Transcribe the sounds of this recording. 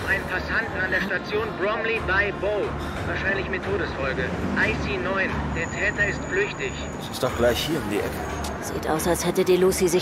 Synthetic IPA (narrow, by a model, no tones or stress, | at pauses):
ʔaɪnənpʰasantn̩andeːɐʃtat͡sjoːnbʁɔmlibaɪboː | vaːɐʃaɪnlɪçmɪtʰːoːɾəsfɔlɡəʔaɪsinɔʏnd̥eːɐtʰɛːtɐɪstflʏçtɪç̥ | ɛsɪst̚d̥ɔxɡ̥laɪçhiːɐʊmdḭːʔɛ̰kʰə | z̥ḭːtʔa̰ʊsalshɛtədiːluːsizɪ